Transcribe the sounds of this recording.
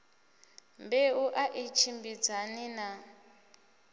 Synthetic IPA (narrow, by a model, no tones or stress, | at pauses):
mbɛuʔaʔit͡ʃʰimbid͡zanina